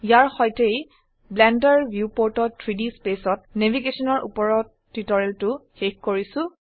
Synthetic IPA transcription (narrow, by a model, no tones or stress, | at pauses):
ijaɹxɔjtej | blɛndaɹbʱjupoɹtɔtʰɹidispesɔt̚nebʱiɡesɔnɔɹʔṵpɔɹɔt | tːitɔɹeltʊxexkoɹisʊ̃